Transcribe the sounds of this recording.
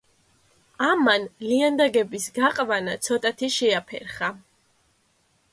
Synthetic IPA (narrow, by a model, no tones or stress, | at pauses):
amanliand̪aɡɛbisɡaqʼvanat̪sʰɔt̪ʼat̪ʰiʃɛapʰɛ̰ɾχa